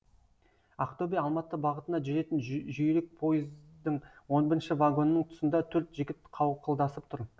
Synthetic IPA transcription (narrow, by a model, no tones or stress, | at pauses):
ɑqt̪obʲijɑlˠmɑt̪ːəbɑʁət̪ənɑʒʏɾe̞t̪ɪnʒʏjɾɪk̚pʰo̞jəzd̪əɴwo̞nbɪɾɪnʃɪvaɡo̞nːəɴt̪ʰʊ̥sənd̪ɑt̪ʰɵɾt̪ʒɪɡʲɪt̪qʰɑwqʰəlˠd̪ɑsəp̚t̪ʰʊɾ